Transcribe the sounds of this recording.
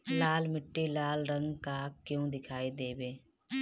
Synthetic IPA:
laːlmɪʈːilaːlɾə̃ŋɡkaːkjõːd̪ɪkʰaːid̪eːbeː

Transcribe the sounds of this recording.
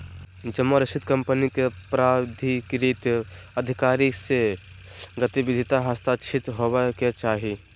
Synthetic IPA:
d͡ʒəmːoɾɐʃɪt̪kɐ̃mpənikepɾaːd̪ʱikɾiːt̪jɐd̪ʱɪkaːɾise | ɡət̪ibɪd̪ʱit̪aɦəst̪aːt͡ʃʰɪt̪ɦoweket͡ʃaːɦi

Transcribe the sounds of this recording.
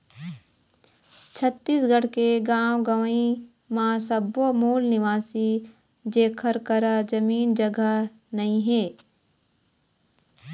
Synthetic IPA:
t͡ʃʰət̪ːiːsɡəɽkeɡaːwɡɐʋi | mãːsəbomuːlnɪʋaːsi | d͡ʒeːkʰəɾkəɾad͡ʒɐmiːnd͡ʒəɡə | nɐĩɦeː

